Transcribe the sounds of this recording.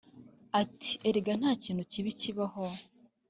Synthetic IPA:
ati̥eɾiɡan̥haːciːnhuciβiciβaho

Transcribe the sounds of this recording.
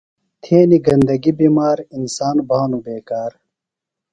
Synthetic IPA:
t̪ʰeːniɡɐnd̪ɐɡibiːmaːɾinsaːnbʱaːnubeːkaːɾ

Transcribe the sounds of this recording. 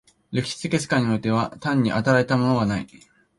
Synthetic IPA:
ɾe̞kʲi̥ɕi̥t͡sɨke̞t͡sɨ̥kãɲ̟ːio̞it̪e̞β̞at̪ãɲ̟ːiʔat̪aɾaet̪amo̞no̞ɡanaḭ

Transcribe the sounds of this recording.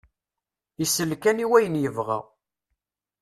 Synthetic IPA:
isəlkæniwæjənjəvʁæ̰

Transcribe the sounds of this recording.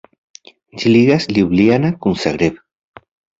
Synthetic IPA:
d͡ʒiliɣasliuβlianakunsaɣɾeβ

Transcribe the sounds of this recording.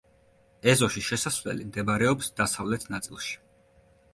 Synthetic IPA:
ɛzɔʃiʃɛsasvlɛ̰limd̪ɛbɾɛɔpsd̪asavlɛt̪ʰnat̪sʼilˠʃi̥

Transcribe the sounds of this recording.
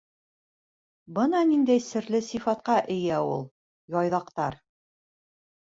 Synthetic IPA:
bɤnɑnind̪æjsɘ̆ɾlɘsifɑt̪̚qɑʔɘ̆jæulˠ | jɒjðɑqt̪ɑɾ

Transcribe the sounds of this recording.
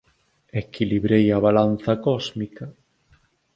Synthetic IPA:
ekiliβɾejaβalan̟θɐkɔzmikɐ

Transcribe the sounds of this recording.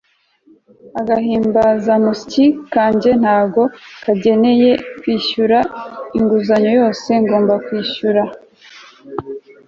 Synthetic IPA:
aɡaɦiːmbazamusicikaːɲɟe̞n̥haːɡo̞kaɟe̞ne̞je̞kwiːʃuɾaiŋɡuzaɲo̞jo̞ːse̞ŋɡo̞ːmbakwiːʃuɾa

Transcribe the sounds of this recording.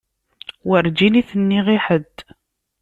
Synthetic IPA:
wəɾd͡ʒiniθənːiʁiħəd̪

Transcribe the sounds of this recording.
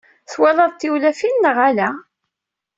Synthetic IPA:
θwælɑðˤt̪ːiwlæfinːəʁælæ

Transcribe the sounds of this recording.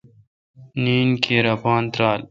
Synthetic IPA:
niːnkʰeːɾɐpaːnt̪ɾaːl

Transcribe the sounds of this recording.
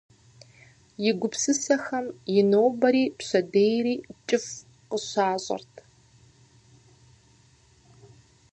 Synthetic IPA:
jɪɡʷʊpsɨsɐxɐmjɪnoːbɐɾiːpɕɐdeːjriːt͡ʃʼɪf | qəɕaːɕʼɐ̰rtʰ

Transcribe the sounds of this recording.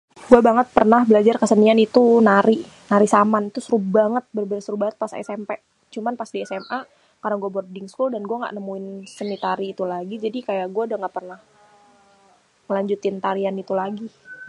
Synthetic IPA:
ɡuabaŋət̪̚pərnahbəlad͡ʒarkəsənianit̪unaɾi | naɾisamant̪usɾubaŋət̪̚bərbeɾasəɾubaŋət̪̚pasɛ̰sɛmpe | t͡ʃumanpasdiɛsɛma | kaɾaŋɡuabɔrdɪŋskuldanɡuaŋɡa̰ʔnəmuɪnsənit̪aɾiːt̪ulaɡid͡ʒadikajaʔɡuadaŋɡaʔpərnah | məlaɲd͡ʒut̪ɪnt̪aɾianit̪ulaɡi

